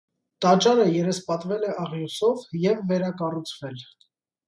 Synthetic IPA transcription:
t̪ɑt͡ʃɑɾəjɛɾɛspɑt̪vɛlɛʔɑʁjusɔvjɛvːɛɾɑkɑrut͡sʰvɛl

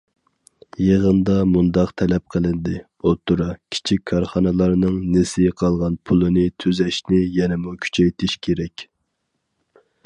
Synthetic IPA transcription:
jeʁənd̪ɑmund̪ɑqt̪ʰɛlɛp̚qʰəlˠɪnd̪ɪ | ot̪ːuɾɑkʲʰi̥t͡ʃʰikʲkʰːɑɾχɑnɨlˠɑɾnɨŋnesɪqʰɑlˠʁɑnpʰulˠɨnɨt̪ʰyzɛʃnɪjɛnɛmukʲʰy̥t͡ʃʰɛjt̪ʰɪʃkʲʰeɾɛkʲ

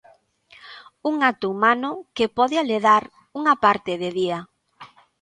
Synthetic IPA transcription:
uŋat̪ʊumanʊkepɔðɪaleðaɾ | uŋɐpaɾt̪ɪðɪðia

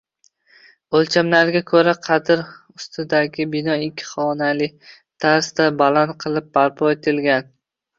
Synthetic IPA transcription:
olt͡ʃʰamlaɾɡʲakʰɵɾaqʰɑd̪ɪɾ | ʊst̪ʰɪd̪aɡʲɪbɪnɒɪkʲʰːɪ̥χɒnalɪ | t̪ʰaɾsd̪abalant̪qʰɨlˠɪp̚ːaɾpʰɒet̪ʰɪlɡʲan

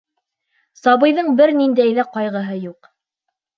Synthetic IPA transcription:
sɑβɤ̆jðɤɴbɘɾnind̪æjðæqɑjʁɤ̆ɦɤjuq

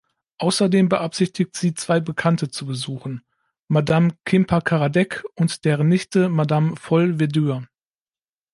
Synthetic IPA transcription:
ʔaʊsɐdeːmbəʔapz̥ɪçtɪktz̥iːt͡sv̥aɪbəkʰantət͡subəzuːxn̩ | madamkʰɪmpʰakʰaʁadɛkʊntd̥eːʁənɪçtəmadamfɔlvedyːɐ

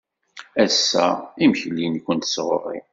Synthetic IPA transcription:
æsːæ̰imçlːinkʷənt̪sʁo̰rˤḭ

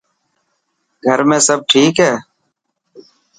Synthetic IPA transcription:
ɡʱəɾmẽːsəb̚ʈʰiːkɦɛː

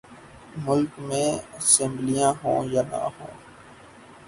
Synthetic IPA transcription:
mʊlkmẽːəsẽːmblijãːɦõ̰ːjaːnã̰ːɦõ̰ː

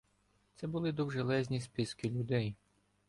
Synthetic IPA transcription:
t̪sɛbʊlˠɪd̪ɔwʒelˠɛzʲnʲispʲɪskɪlʲʊd̪ɛj

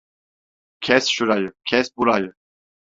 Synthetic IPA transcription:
kʰɛsʃuɾajkʰɛsbuɾaj

